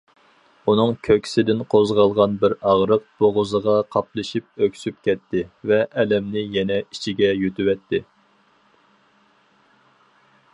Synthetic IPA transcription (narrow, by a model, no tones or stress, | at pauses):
unɨŋkʲʰøkʲsɪd̪ɪnqʰozʁɑlˠʁɑnbɪɾɑʁɾəq̚b̥oʁʊzəʁɑqʰɑplˠɨʃip̚økʲsyp̚kʲʰɛt̪ːɪvɛʔɛlɛmnɪjɛnɛit͡ʃʰiɡʲɛjyt̪ywɛt̪ʰːɪ